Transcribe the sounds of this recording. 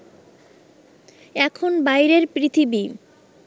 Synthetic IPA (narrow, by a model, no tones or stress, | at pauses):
ɛkʰonbajɾeɾpɾit̪ʰibi